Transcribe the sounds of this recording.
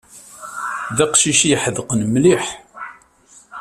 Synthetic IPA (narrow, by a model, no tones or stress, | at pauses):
ðæqʃiʃjəħəðəqənmliħ